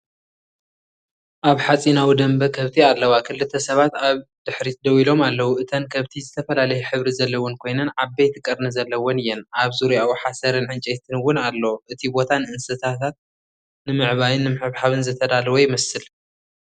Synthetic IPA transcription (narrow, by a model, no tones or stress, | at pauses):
ʔaβħat͡sʼinawid̪ɐmbɐkʰɐβt̪ʰialːɐwakʰɨlːɨt̪ʰːɐsɐβat̪aβd̪̥ɨħɾid̪ɐwilo̞malːɐwuʔɨt̪ʰɐnkʰɐβt̪ʰizɨt̪ʰɐfɐlalɐjuħɨβɾizɐlːɐwonkʰo̞jnɐnʕabejt̪ʰɨkʼɐɾnɨzɐlːɐwonɨjːɛnʔaβzuɾujawuħasɐɾɨnʕɨnt͡ʃʼejt̪ʰɨnwʊnalːɐʔɨt̪ʰibo̞t̪ʰanɨʔɨnsɐt̪ʰat̪ʰat̪̚ | nɨmɨʕβajɨnːɨmɨħɨβħaβɨnzɨt̪ʰɐd̪alwojɪmɐsɨl